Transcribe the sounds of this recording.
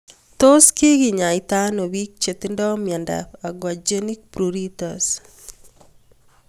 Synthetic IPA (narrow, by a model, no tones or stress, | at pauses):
t̪oskɪkiɲaɪt̪anowik̚t͡ʃet̪indɔmjanda̰paɡwad͡ʒenik̚pɾuɾit̪as